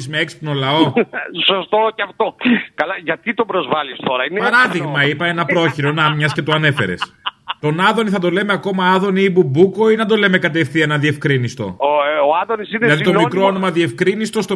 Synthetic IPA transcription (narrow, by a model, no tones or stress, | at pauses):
zmeekspno̞lɐo̞sost̪oceɐft̪okɐlɐʝɐt̪it̪obɾozvɐlist̪o̞ɾɐinepɐɾɐðiɣmɐipɐe̞nɐpɾo̞çiɾo̞nɐmɲɐsce̞t̪oɐne̞fe̞̰ɾḛst̪o̞nɐðo̞niθɐd̪o̞le̞meɐko̞mɐɐðo̞niːbubukoinɐd̪o̞le̞me̞kɐt̪̬e̞fθiɐenɐðie̞fkɾinist̪o̞̰oɐðonisinelɐðit̪omikɾoono̞mɐðie̞fkɾinist̪o̞st̪o